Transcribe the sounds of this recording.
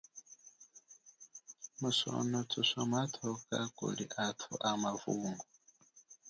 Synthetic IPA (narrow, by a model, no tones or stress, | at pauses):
muso̰notʰusɔmatʰokakṵlḭʔatʰuʔamavuŋɡu